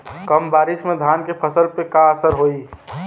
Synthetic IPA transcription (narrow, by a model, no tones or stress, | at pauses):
kəmbaːɾɪsmẽd̪ʱaːnkepʰəsəɾpekaəsəɾɦoːi